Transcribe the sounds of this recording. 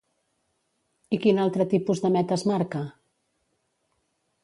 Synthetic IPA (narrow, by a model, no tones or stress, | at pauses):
ikinalˠt̪ɾət̪ipuzðəmɛt̪əzmaɾkə